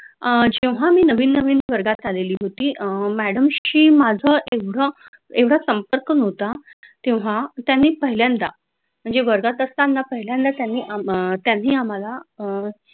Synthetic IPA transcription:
d͡ʑewʋ̤amiːnəʋiːnːəʋiːnʋəɾɡat̪aleliːɦot̪iːmæɽəmɕiːmad͡zʱəʔeʋɽə | eʋɽasəmpəɾkənɔʋt̪at̪ẽʋɦat̪janːiːpəɦiljand̪a | m̤əɳd͡zeʋəɾɡat̪əst̪anːapəɦiljãnd̪at̪janːiːʔat̪janːiːam̤ala

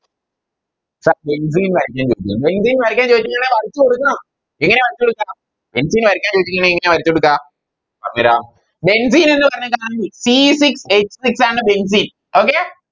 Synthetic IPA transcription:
saːɾbens̬iːnʋɐɾikʲːãːt͡ʃoːt͡ɕiabensiːnʋɐɾɐkʲːãːt͡ʃoːikʲːɐŋːɐneːʋɐɾit͡ʃːɨkoɽɯkːãːm | ɛŋɡɐneːʋɐɾit͡ʃːkoɽɯkːaː | b̥ensiːnʋɐɾikʲːãːt͡ʃoːd͡ʑikʲːŋɐɳeɛŋːɡɐneːʋɐɾit͡ɕːoɽɯkːãː | ɐmiɾa̰ːm | bens̬iːnendɨpɐɾɐɲɐkaːnɐisisikset͡ʃːsiksaːnɨbens̬iːn | oːkeː

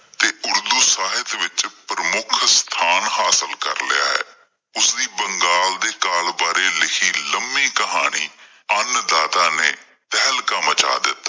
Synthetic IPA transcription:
t̪eːʊɾd̪uːsaːɦɪt̪ʋɪt͡ʃpɾəmʊkʰst̪ʰaːnɦaːsəlkəɾlɪja̰ːɦɛ̰ː | ʊsd̪iːbəŋɡaːld̪eːkaːlbaːɾeːlɪkʰiːləmːĩːkəɦaːɽ̃iː | ənd̪aːt̪aːnḛː | t̪ɛːlkəmət͡ʃa̰ːd̪ɪt̪ː

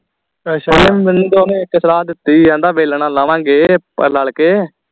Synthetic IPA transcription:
lɪmʋɪnːiːd̪oːnẽːɪkːəsəlaːd̪ɪt̪ːiːɛ̃ːnd̪aːʋeːlɳãːlaʋãːŋɡeːpə̰ɾləɭkeː

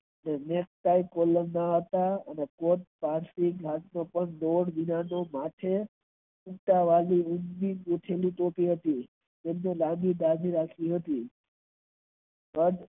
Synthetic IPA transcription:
əneneksʈaikolənːaɦət̪aənekoʈ̪̚paɾsikɦat̪nopəɳloɽʋinanomaʈʰe | uʈaʋaliũnbiɡoʈʰelit̪opiɦət̪i | d͡ʒemnelamid̪ad͡ʒʱiɾakʰiɦət̪i | bəd

